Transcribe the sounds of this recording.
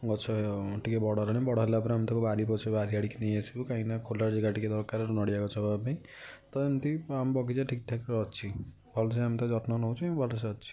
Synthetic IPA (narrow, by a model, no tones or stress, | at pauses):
ɡɔt͡ʃʰɔʈʰikebɔɽɔelanebɔɽɔɦelapɔɾamt̪ɔkubaɾipɔt͡ʃʰibaɾiaɽikʰnejasʰibukãĩnakʰolaɾd͡ʒiɡaʈiked̪ɔɾkaɾɔɾunɔɽijaɡɔt͡ʃʰɔbabaĩ | t̪ɔemt̪iambɔkit͡ʃaʈʰikʈʰakɾɔt͡ʃʰi | bʱɔlsaamit̪ad͡ʒɔʈnɔnɔw̃t͡ʃʰɔ̃bʱɔlɔs̬aɔt͡ʃʰi̥